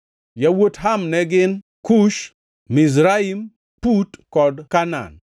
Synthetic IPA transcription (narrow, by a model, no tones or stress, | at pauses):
jawotɦamnɛɡɪn | kuʃ | miz̬ɾaim | putkɔdkana̰n